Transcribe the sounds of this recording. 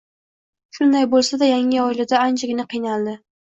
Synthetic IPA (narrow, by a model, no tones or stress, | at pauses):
ʃʊnd̪ajbolˠsad̪ajaŋɪɒɪlad̪aːnd͡ʒɪɡʲɪnɪqʰijnalˠd̪ɪ